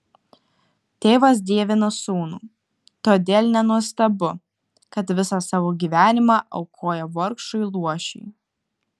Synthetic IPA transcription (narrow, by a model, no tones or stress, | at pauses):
t̪ʲeːʋɐs̬d̪ʲiɛʋʲɪnɐsuːnṵː | t̪oːd̪ʲeːlʲˠnʲɛnuɔst̪ɐbʊ | kɐt̪ʋʲɪsɑsɑːʋoːɡʲiːʋʲæːnʲɪmɑːʔɐʊkʰoːjɛʋɔɾkʃʊɪlˠuɔʃʲɛ̰ɪ